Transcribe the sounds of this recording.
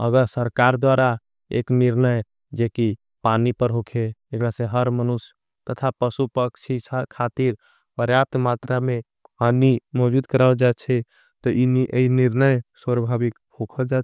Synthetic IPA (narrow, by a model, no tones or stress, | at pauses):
ə̰ɡəɾsəɾkaɾd̪waɾa | ḛkniɾnəj | d͡ʒeki | panipəɾɦokʰeːkɾasẽɦəɾmənus | t̪ət̪ʰapəsupəkt͡ʃʰiakʰat̪iɾ | pəɾjap̚t̪mat̪ɾame | ɦanimɔd͡ʒud̪kəɾad͡ʒat͡ʃʰɛ | t̪ɔʔiniʔeiniɾnəjsəɾbʱabik | hokʰəld͡ʒa